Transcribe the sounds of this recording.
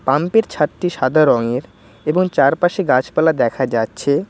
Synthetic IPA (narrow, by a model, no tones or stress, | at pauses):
pampeɾt͡ɕʰat̪ːiʃad̪ʱaɾɔŋeɾ | eboŋt͡ɕaɾpaʃeɡat͡ɕpalad̪ɛkʰad͡ʑatːɕʰe